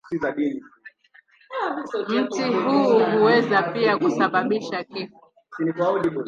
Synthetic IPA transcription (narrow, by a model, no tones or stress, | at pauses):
sizaɗini | m̩tiɦuɦuwɛzapiakusaɓaɓiʃakifu̥ | inikauɗiɓu